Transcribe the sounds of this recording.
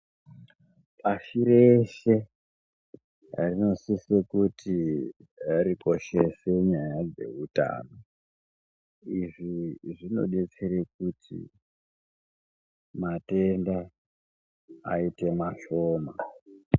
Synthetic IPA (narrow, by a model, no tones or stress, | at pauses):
paʃireʃe̞ | rino̞sisekutʰi | ɾiko̞ʃe̞se̞ɲajad͡ze̞̰uta̰ːno | iʐiʐino̞̰ɗet͡seɾek̚utʰḭ | mate̞nda | ite̞maʃo̞ːma